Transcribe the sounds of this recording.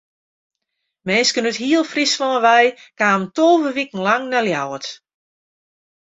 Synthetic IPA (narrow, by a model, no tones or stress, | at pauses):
mɛnskənətɦiəlˠfrisʋɔːəʋɛjkaːməntoːvəʋikən̩laŋnɛljawət